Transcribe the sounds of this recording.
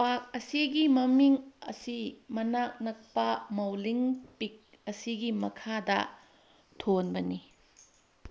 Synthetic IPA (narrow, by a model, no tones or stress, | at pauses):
pak̚ɐsiɡimɐmiŋɐ̰simɐnak̚nɐk̚pɐmɐwliŋpik̚ | ɐsiɡimɐkʰadɐ̰ | tʰonbɐni